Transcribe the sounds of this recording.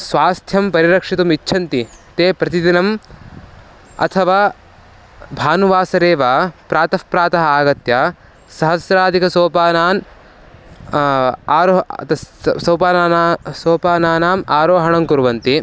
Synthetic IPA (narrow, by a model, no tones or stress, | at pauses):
sʋaːst̪ʰjɐmpɐɾiɾɐkʂit̪umitːʃʰɐnt̪it̪eːpɾɐt̪id̪inɐm | ɐ̰t̪ʰɐʋaː | bʱaːnuʋaːsɐɾeːʋaːpɾaːt̪ɐfpɾaːt̪ɐɦɐaːɡɐt̪jaː | sɐɦɐsɾaːd̪ʱikɐsoːpaːnaːn | aːɾot̪ɐsɐwpaːnaːsoːpaːnaːnaːmaːɾoːɦɐɳɐmkuɾʋɐnt̪i